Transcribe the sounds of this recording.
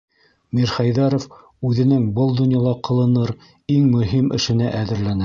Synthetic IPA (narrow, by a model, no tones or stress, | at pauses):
miɾχæjðɑɾof | ʉðɘ̆nɘŋbɤlˠd̪ŏnjɑlˠɑqɤ̆lˠɤ̆nɤɾ | iŋmɵ̆ɦimʔɘ̆ʃɘ̆næʔæðɘ̆ɾlænæ